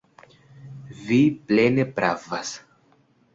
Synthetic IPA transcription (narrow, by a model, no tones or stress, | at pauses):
viplenepɾa̰vas